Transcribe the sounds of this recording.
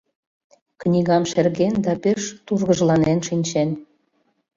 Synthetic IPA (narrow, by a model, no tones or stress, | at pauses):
knʲiɣɑmʃerɣend̪ɑpeʃt̪urɣəʒlɑnenʃinʲt͡ɕen